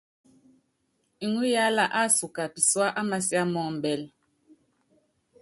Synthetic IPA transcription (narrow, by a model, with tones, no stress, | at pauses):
i˨ŋu˦ja˦la˦ʔa˦su˨ka˨pi˨swa˦ʔa˦ma˦sja˦mɔ˦˨m̩˨bɛ˨l